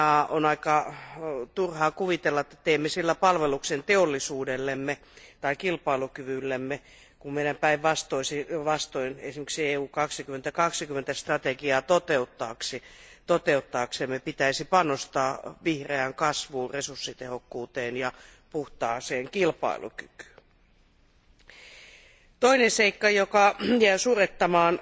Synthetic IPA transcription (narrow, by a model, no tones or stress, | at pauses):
ɑonɑikɑ | t̪urhɑːkuʋit̪elːɑet̪ːæ̥t̪ːeimːesilːæpɑlʋeluksent̪eolːisuːdelːemːe | t̪ɑikilpɑilukyʋylːemːe | kummeiɾæmpæiʋʋɑst̪oisiʋɑst̪oinesimeksieːuːkɑksikymːent̪ækɑksikymːent̪æst̪rɑt̪eɡiɑːt̪ot̪eut̪ːɑːksit̪ot̪eut̪ːɑːksemːepit̪æisipɑnost̪ɑːʋihreæŋkɑsʋuːresursːit̪ehokːuːt̪eːnjɑ | puht̪ɑːseːŋkilpɑ̰ilṵky̥ky̥ː | t̪oineseikːɑjokɑjæisuret̪ːɑmɑːn